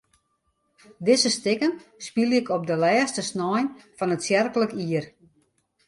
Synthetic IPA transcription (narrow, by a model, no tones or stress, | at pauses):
dɪzəstɪkənspilɪkɔp̚dəlɛːstəsnɔjnfɔnətsjɛrkələkiər